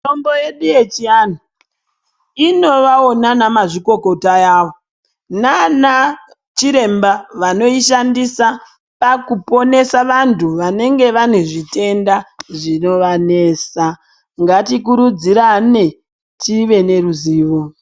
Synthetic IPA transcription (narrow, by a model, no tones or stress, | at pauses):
tomboje̞ɗuje̞t͡ʃiano | ino̞ʋao̞nanamaʐiko̞ko̞taaːʋo | nana | t͡ʃiɾe̞mbaʋano̞iʃandisa | pakupo̞ne̞saʋantʰuʋane̞ŋɡe̞ʋaneʐite̞ndaʐino̞ʋane̞ːsa | ŋɡatikuɾud͡ziɾane̞ | tʰiʋe̞ne̞ruziːʋo̞